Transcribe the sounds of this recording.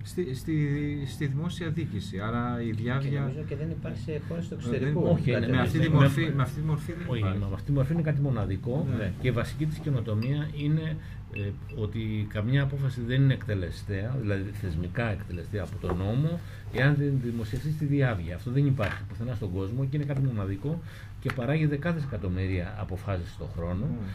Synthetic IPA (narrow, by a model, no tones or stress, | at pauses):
st̪ist̪ist̪iðimo̞siɐðicisiɐɾɐiðjɐvʝɐzeðenipɐɾsexoɾest̪oekseɾikooçinemeɐt̪iimfimeɐft̪it̪imoɾfiðommeɐft̪it̪imo̞ɾfiinekɐt̪̬imo̞nɐðiko̞ce̞ivɐsi̥cit̪i̥sce̞no̞t̪o̞miɐine̞ | o̞t̪ikɐmɲɐːpo̞fɐsiðe̞nine̞ːkt̪e̞le̞st̪eɐðilɐðiθe̞zmikɐe̞kt̪e̞le̞st̪eɐːpo̞t̪o̞no̞mo̞ | e̞ɐnðinðimo̞sieft̪ist̪iðiɐvʝiɐːft̪oðenipɐɾçipiθenɐst̪oɡo̞zmocine̞kɐt̪̬imo̞nɐðiko̞ | ce̞pɐɾɐʝiðe̞kɐθese̞kɐt̪o̞miɾiɐɐpo̞fɐsisst̪o̞̰xɾo̞no̞